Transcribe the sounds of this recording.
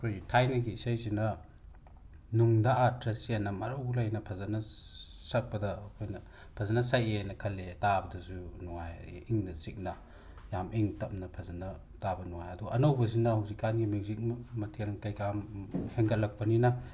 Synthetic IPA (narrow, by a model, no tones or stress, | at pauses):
kʰojtʰajnɐɡiːsajzinɐ | nuŋdaʔatɾesijanːɐmɐɾɐwlɐjnɐpʰɐzɐnɐ | sɐk̚pɐdɐːkʰojnɐ | pʰɐzɐnɐsajenɐkʰɐlːetabɐdɐsunuŋajiŋnɐsik̚nɐ | jamiŋtɐpnɐpʰɐzɐnɐ | tabɐnuŋa̰jɐduɐnɐwbɐz̬inɐhawzikːanɡimikzik̚mmɐtʰenkɐjkamheŋkʰɐt̚lɐk̚pɐninɐ